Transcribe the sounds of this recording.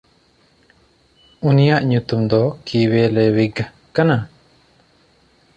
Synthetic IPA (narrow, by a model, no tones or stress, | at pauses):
unijaʔɲut̪umd̪ɔkiwɛlɛwiɡ | kana